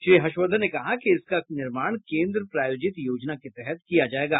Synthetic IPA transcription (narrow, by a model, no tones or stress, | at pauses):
ʃɾiːɦɐʃwəd̪ənːekɐɦakiɪskanɪɾmaːɽ̃kẽːnd̪ɾəpɾaːjoːd͡ʒɪt̪joːd͡ʒnaket̪ɛɦɛt̪̚kijad͡ʒaːeːɡaː